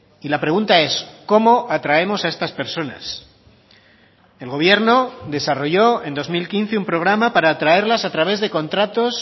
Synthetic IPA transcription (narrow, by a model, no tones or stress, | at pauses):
ilapɾe̞ɣ̞unt̪ae̞sko̞mo̞ʔat̪ɾae̞mo̞saest̪aspe̞ɾso̞na̰s | e̞lɣo̞β̞je̞ɾno̞ðe̞saro̞ʝo̞e̞nd̪o̞zmilkin̟θeumpɾo̞ɣ̞ɾamapaɾaːt̪ɾae̞ɾlasat̪ɾaβ̞e̞zðe̞kõ̞nt̪ɾat̪o̞s